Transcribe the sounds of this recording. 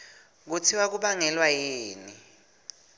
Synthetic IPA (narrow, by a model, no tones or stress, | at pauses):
k̬ut͡sʰiwak̬uɓaŋɛlwajeːni